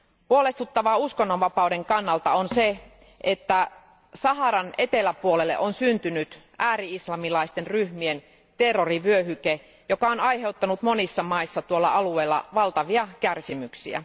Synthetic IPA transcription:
puolest̪ut̪ːɑʋɑuskonːonʋɑpɑude̞ŋkɑnːɑlt̪ɑonse | ʔet̪ːæ | sɑɦɑɾɑnet̪elæpuolelːeʔonsynt̪ynyt̪ | ʔæːɾiislɑmilɑist̪enryhmien | t̪erːoriʋyøɦyke | jokɑonɑjɦe̞wt̪ːɑnut̪mo̞nisːɑmɑisːɑt̪uolːɑɑlueːlːɑ̰ʋɑlt̪ɑʋiɑkærsimyksiæ̰

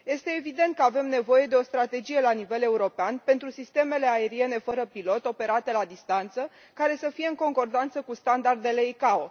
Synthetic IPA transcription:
je̞st̪e̞ːvid̪e̞nt̪̚kəave̞mne̞vo̞je̞d̪e̞o̞st̪ɾat̪e̞d͡ʒije̞lanive̞le̞uɾo̞peanpe̞nt̪ɾusist̪e̞me̞le̞ae̞ɾie̞ne̞fəɾəpilo̞t̪o̞pe̞ɾat̪e̞lad̪ist̪ant̪sə | kaɾe̞səfije̞ɨŋko̞ŋko̞rd̪ant̪səkust̪and̪ard̪e̞le̞ikao

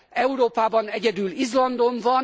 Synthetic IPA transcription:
ɛuɾoːpaːbɒnɛɟɛd̪ylizlɒnd̪o̞ɱvɒn

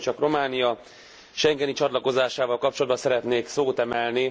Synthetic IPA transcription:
t͡ʃɒkromaːnijɒ | ʃɛŋɡɛnit͡ʃɒt̪lɒko̞zaːʃaːvɒlkɒpt͡ʃolɒd̪̚bɒnsɛɾɛt̪neːksoːt̪ɛmɛlni

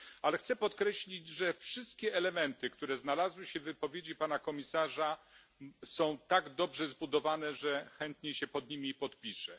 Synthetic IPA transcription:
alɛxt̪sɛpɔt̪kɾɛɕlʲid͡ʑʐɛfʂɘst̪̚kʲɛːlɛmɛnt̪ɘkt̪uɾɛznalazwɘɕɛvɘpɔvʲjed͡ʑipanakɔmʲisaʐa | sɔ̃w̃t̪aɡd̪ɔbʐɛzbud̪ɔvanɛʐɛxɛnt̪ɲeɕɛpɔd̪ɲimʲipɔt̪̚pʲiʂɛ

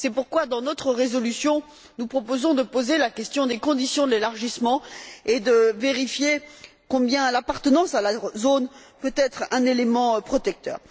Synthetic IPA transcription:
sɛpuʁkwad̪ɑ̃nɔt̪χəʁezɔlysjɔ̃ | nupχɔpozɔ̃d̪əpozelakʲɛst̪jɔ̃d̪ekɔ̃d̪isjɔ̃d̪əlelaʁʒismɑ̃ed̪əveʁifje | kɔ̃bjɛ̃lapaʁt̪ənɑ̃salazonpøt̪ɛt̪χɛ̃nelemɑ̃pχɔt̪ɛk̚t̪œ̰ːʁ

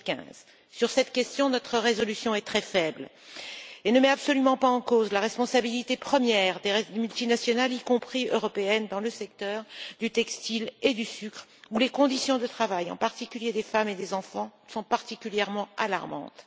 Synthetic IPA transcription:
kɛ̰̃z̥ | syʁsɛt̪kʲɛst̪jɔ̃nɔt̪χəʁezɔlysjɔ̃ɛt̪χɛfɛbl | enəmɛapsɔlymɑ̃paɑ̃kozlaʁɛspɔ̃sabilit̪epχəmjɛʁd̪emylt̪inasjɔnalikɔ̃pχiøʁɔpeɛnd̪ɑ̃ləsɛk̚t̪œʁd̪yt̪ɛkst̪iled̪ysykχulekɔ̃d̪isjɔ̃d̪ət̪χavajɑ̰̃paʁt̪ikʲyljed̪efamed̪ezɑ̃fɑ̃sɔ̃paʁt̪ikʲyljɛʁmɑ̃ala̰ʁmɑ̰̃t̪

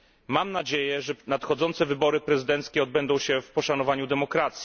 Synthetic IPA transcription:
mamnad͡ʑejɛʐɛnat̪xɔd̪zɔnt̪sɛvɘbɔɾɘpɾɛzɘd̪ɛnt̪skʲɛɔd̪̚bɛnd̪ɔ̃w̃ɕɛfpɔʂanɔvaɲud̪ɛmɔkɾat̪sʲi

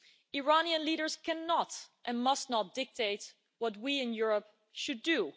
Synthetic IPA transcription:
ɪɹɑniə̃nliɾəɹskɛ̃nːɑtʔɛ̃nmʌstnɑt̚d̥ɪk̚tʰeɪt | wʌt̚wiɪ̃njʊɹəp̚ | ʃɨdu

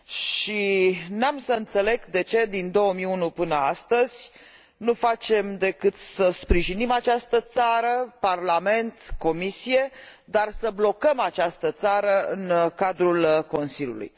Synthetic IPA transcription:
ʃinamsəɨnt̪se̞le̞ɡd̪e̞t͡ʃe̞d̪ind̪o̞wəmiunupɨnəa̰st̪əz̥ʲ | nufat͡ʃe̞md̪e̞kɨt̪səspɾiʒinimat͡ʃast̪ət̪saɾəparlame̞nt̪ko̞misije̞ | d̪arsəblo̞kəmat͡ʃast̪ət̪saɾəɨ̰nkad̪ɾulko̞nsilʲjṵlṵj

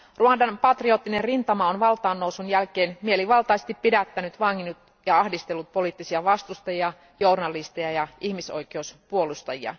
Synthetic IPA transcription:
ruɑndɑnpɑt̪rio̞t̪ːinenrint̪ɑmɑonʋɑlt̪ɑːnːowsunjælkeːnmieliʋɑlt̪ɑˑist̪ippːidæt̪ːænyt̪ʋɑŋːinut̪ | jɑɑhdist̪elːut̪̚po̞liˑt̪ːisiɑʋɑst̪ust̪ɑjiɑ | journɑlːist̪ejɑjɑʔihmiso̞̰ikeuspuo̞lust̪ɑjiɑ̰

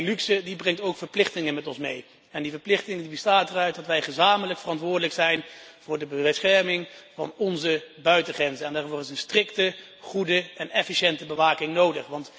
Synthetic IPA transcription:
lyksədibrɛŋtowkfəɹplɪχtɪŋəmɛtɔnsmḛj | ɛndivəɹplɪχtɪŋəndibəstaːtərœɥt̚dɑtʋɛjχəzaːmələkfərɑntʋʊːɹdələksɛjnv̥ʊːɹdəbəʋɛtsχɛɹmɪŋvɑ̰nɔnzəbœɥtəχrɛnzənɛndaːɹvʊːrɪsənstrɪktə | χudəɛnɛfiʃɛntəbəʋaːkɪŋnowdəχʋɑnt

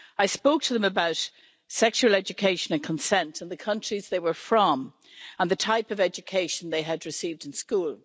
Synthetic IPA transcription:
aɪspoʊk̚tʰəðə̃məbaʊt | sɛkʃuəlɛd͡ʒɨkʰeɪʃə̃nə̃nkʰə̃nsɛ̃ntʰə̃nðɨkʰʌ̃nt͡ʃɹ̥izðeɪwə˞fɹə̃m | ə̃nðɨtʰaɪpʌvɛd͡ʒɨkʰeɪʃə̃n̩ðeɪɨd̚ɹɨsiːvdɨ̃nskuːlˠ

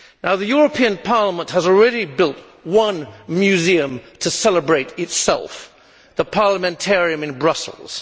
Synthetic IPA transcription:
naʊðɨjʊɹɨpʰĩɨ̃npʰɑɹləmə̃nʔhəzl̩ˠɹɛɾibɪlˠt̚ | wʌ̃nmjʉziɨ̃mtʰɨsɛlˠəbɹeɪɾɨtsɛ̰lˠf | ðəpʰɑɹləmɛ̃ntʰɛɹiɨ̃mɨ̃nbɹʌsl̩ˠz̥

